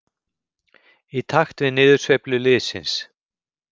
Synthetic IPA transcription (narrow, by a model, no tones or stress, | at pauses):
it̪ʰaxt̪vɪðnɪːðʏrsvejplʏlɪːðsɪ̰ns